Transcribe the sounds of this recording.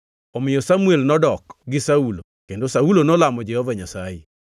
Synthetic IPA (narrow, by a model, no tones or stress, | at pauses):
ɔmɪjɔsamuelnɔdɔkɡɪsaulo | kendosaulonɔlamɔd͡ʒɛhɔvaɲasaje